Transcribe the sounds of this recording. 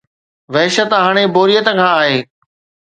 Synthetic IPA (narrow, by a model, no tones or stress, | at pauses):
ʋɐɦʃət̪ɦaːɽ̃eboːɾijət̪kʰãːaːɦeː